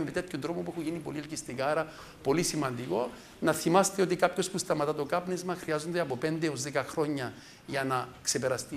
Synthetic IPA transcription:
evit̪et̪çod̪ɾo̞mopuexuʝinipo̞lielcist̪ikaːɾɐ | po̞lisimɐnd̪iko̞ | nɐθimɐst̪eo̞t̪̬ikapço̞spust̪ɐmɐt̪ɐt̪okɐpnezmɐxɾiɐzo̞nd̪eɐpo̞pe̞nd̪eo̞zðekɐxɾo̞ɲːɐ | ʝɐnɐkse̞peɾɐst̪i

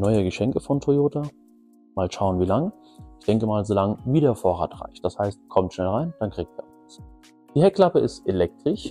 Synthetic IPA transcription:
nɔʏəɡəʃɛŋkəfɔntʰʁojoːta | maːlʃaʊənviːlaŋ | ʔɪçd̥ɛŋkəmaːlzolaŋəviːɾeːɐfoːɐʁa̰ːtʁa̰ɪçt̚d̥ashaɪst̚kʰɔmtʃnɛlʁaɪnd̥ankʁ̥iːɡ̚tv̥ḛːɐ | t͡s | d̥iːhɛkl̥apəɪstelɛk̚tʁ̥ɪç

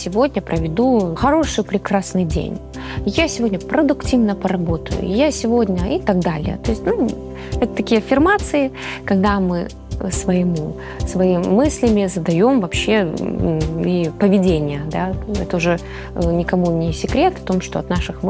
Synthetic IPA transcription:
sʲɪvo̞dʲnʲəpɾəvʲɪd̪uxɐɾo̞ʂɨjpɾʲɪkɾasnɨjdʲḛnʲ | jasʲɪvo̞dʲnʲəpɾəd̪ʊktʲivnəpəɾɐbo̞t̪ə̰jʊ̰jasʲɪvo̞dʲnʲəit̪aɡd̪alʲɪ̰jə̰t̪o̞ɪsʲt̪ʲnu | ɛt̪ə̥t̪ɐkʲijəɐfʲɪrmat̪sɨɪ | kɐɡ̚d̪amɨ | svəjɪmu | svɐiːɨsʲlʲɪmʲɪzəd̪ɐjo̞mvɐpɕːe̞ | ipəvʲɪdʲenʲɪjəd̪aɛt̪əʊʐɛ | nʲɪkɐmunʲɪsʲɪkɾʲe̞t̪t̪o̞mʂt̪o̞ɐt̪naʂɨxm

